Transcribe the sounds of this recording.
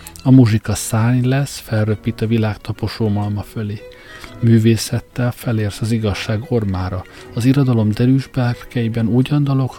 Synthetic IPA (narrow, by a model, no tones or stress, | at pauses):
ɒmuʒikɒsaːɲlɛsfɛlrøpːiːt̪ɒvilaːkt̪ɒpo̞ʃoːmɒlmɒføleː | myːveːsɛt̪ːɛlfɛleːrsɒziɡɒʃːaːɡo̞rmaːɾɒ | ɒziɾod̪ɒlo̞md̪ɛɾyːʒbɛlrkɛibɛnuːɟɒnd̪ɒlo̞k